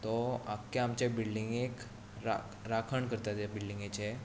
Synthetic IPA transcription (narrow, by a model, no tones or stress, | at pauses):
t̪ɔakːeamt͡ɕebilɖiŋɡek | ɾa̰kɾakʰəɳkəɾt̪at̪jabilɖiŋɡet͡ɕe